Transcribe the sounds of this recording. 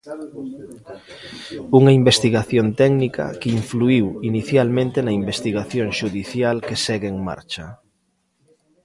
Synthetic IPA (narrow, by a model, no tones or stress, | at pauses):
uŋɐimbest̪iɣaθjont̪ɛɡnikɐ̰keiɱfluiwiniθjalmẽnt̪enɐimbest̪iɣaθjoŋʃuðiθjalkesɛɣeːŋma̰ɾt͡ʃɐ